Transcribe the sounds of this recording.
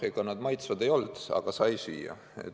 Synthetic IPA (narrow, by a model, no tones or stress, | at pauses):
ikɑnɑd̪̥mɑjt̪svɑd̪e̞jo̞ld̪̥ɑ̰ɡ̥ɑsɑjsy̰ːjɑ̰ | e̞̰t̪